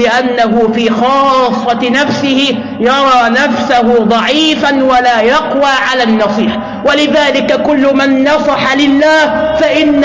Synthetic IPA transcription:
ɪʔanːaɦʊfiːxɑːsˤːɑtnafsɪhɪ | jɑɾˤɑːnafsaɦʊd̪ˤɑʕiːfanwalaːjɑqwaːʕalaːnːɑsˤiːħ | walɪðaːlɪkakʊlːʊmanːɑsˤɑħalɪlːaːh | faʔɪnː

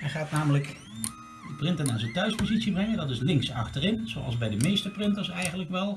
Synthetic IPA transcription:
ɛjχaːtnaːmələk | dəprɪntənaːɹzəntœɥspozitsibrɛŋəndɑtɪslɪŋksɑ̰χtərɪnz̥o̰wʔɑ̰lˠzbɛjdəmejstəprɪntəɹsɛjχənləkʋɛlˠ

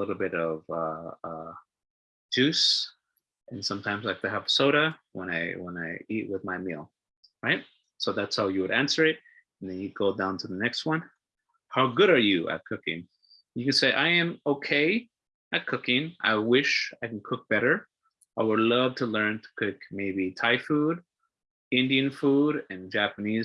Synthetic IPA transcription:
əlɪɾl̩ˠbɪɾʌvʌʌ̥ | d͡ʒʉs | ʔɨ̃nsʌ̃mtʰãɪ̃mzlaɪk̚tʰɨəv̥soʊɾəwə̰̃ñaɪwə̃naɪiʔ̚wɨðmaɪmilˠ | ɹaɪt̚ | soʊðætshaʊjɨwɨɾæ̃nsə˞ɪt̚ | n̩ðɨ̃njɨd̚ɡoʊdãʊ̃ntʰɨðənɛkst̚wʌ̃n | haʊɡʊɾə˞jɨʔɨ̰t̚kʰʊkɪ̰̃ŋ | jɨkɨ̃nseɪʔaɪɨ̃moʊkʰeɪ | ɨt̚kʰʊkɪ̃ŋʔa̰ɪwɪʃaɪkn̩kʰʊk̚b̥ɛɾə˞ | aɪwədˡlʌv̥tʰəlɜ̃˞ntʰə̥kʰɪkmeɪbitʰaɪfud | ɪ̃ndiɨ̃nfuɾɨ̃nd͡ʒæpɨniz

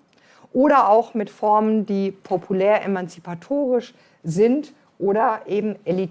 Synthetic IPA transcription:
ʔoːɾɐʔaʊxmɪtfɔɐməndiːpʰopʰulɛːɐʔḛmant͡sipʰatʰoːʁ̞ɪʃ | zɪnt | ʔoːɾɐʔeːbm̩ʔelit

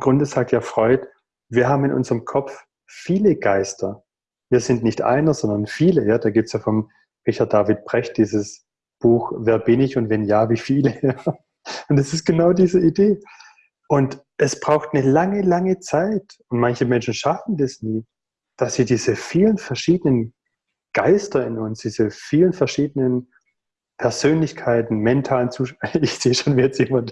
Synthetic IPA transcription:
ɡ̥ʁʊndəzaːk̚tjaːfʁ̥ɔʏt | viːɐɦaːbm̩ɪnʔʊ̰nzəʁəmkʰɔpp͡f | fiːləɡ̥aɪstʰɐ | viːɐzɪntnɪçtʔa̰ɪnɐz̥ɔndɐnfiːləjaːd̥aːɡiːp̚tsjaːfɔm | ʁɪçaɐtd̥aːvɪt̚b̥ʁ̥ɛçt̚d̥iːzəs | b̥uːxvɛːɐbɪnɪçʊntvɛnjaːviːfiːləjaː | ʊntd̥asɪst̚ɡ̥ənaʊdiːzəideː | ʔʊnt | ʔɛsb̥ʁaʊxtnəlaŋəlaŋət͡saɪtʊntmançəmɛnʃn̩ʃafn̩dasniː | d̥asz̥iːdiːzəfiːlənfɛɐʃiːdənən | ɡ̥aɪstɐɪnʊnsd̥iːzəfiːlənfɛɐʃiːdənən | pʰɛɐzøːnlɪçkʰaɪtn̩mɛntʰaːlənt͡suːʃaɪçz̥eːʃoːnvɛːt͡sjeːmant

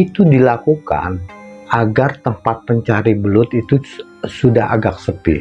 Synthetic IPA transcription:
it̪udilakuka̰naɡart̪əmpat̪̚pəɲt͡ʃaɾibəlʊt̪it̪u | sudaɦa̰ɡak̚səpɪ̰

